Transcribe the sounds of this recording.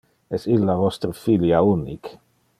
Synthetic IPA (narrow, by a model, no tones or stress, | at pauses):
ɛsilːavɔst̪ɾəfiljaunik